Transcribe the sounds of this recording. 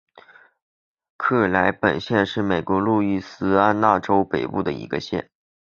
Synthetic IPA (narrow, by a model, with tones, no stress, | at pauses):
kʰɤ˥˩la˧˥ɪpə˨˩nɕjɛ˥˧nʂɻ̩˥˩me˨˩ɪkwɔ˧˥lu˥˧y˥˩sɹ̩˥a˥nna˥˩ʈ͡ʂo˥ʊpe˨˩ɪpu˥˩d̪ə˩ḭ˧˥ɡə̰˧ɕjɛ̰˥˩n